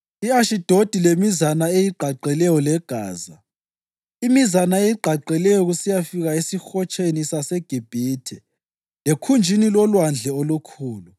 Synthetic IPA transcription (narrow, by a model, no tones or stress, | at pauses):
iaʃid̥ʱod̥ʱilemizanaejiɡ͡ǃʱaǃɛlɛjɔlɛɡ̥ʱa̰ːza | imizanaejiǃʱaǃɛlɛjɔɣusijafiɣaisixɔt͡ʃʰʼenisasɛɡ̥ʱib̥ʱiːtʰɛ | lekʰund͡ʒʱinilwɔlwand͡ɮʱɛolukʰuːlu